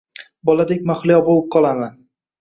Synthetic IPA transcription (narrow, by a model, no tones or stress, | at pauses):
bɒlˠad̪ek̚ʲmaχlˠɪjɒbolˠɪp̚qʰɒlˠaman